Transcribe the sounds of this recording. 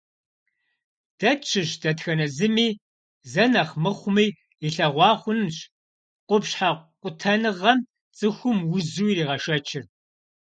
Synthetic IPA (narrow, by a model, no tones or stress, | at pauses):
d̥ɐt͡ʃʰɪɕdɐtxɐnɐzɨmiː | zɐnɐχmɨχʷʊmiː | iɬɐʁʷɑːχʷʊnɕ | qʷʊpɕħaqʷʼʊtʰɐnɨʁɐm | t͡sʼɨxʷʊmwʊzuːiɾiːʁɐʃɐt͡ʃʰɪr